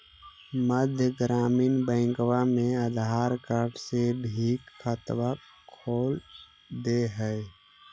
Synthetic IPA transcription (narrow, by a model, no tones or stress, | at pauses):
məd̪ʱjəɡɾaːmiːnbə̃ɪ̃ŋkwamẽəd̪ɦaːɾkəɾʈsebʱiːkxʰət̪wa | kʰoːl | d̪eɦəɪ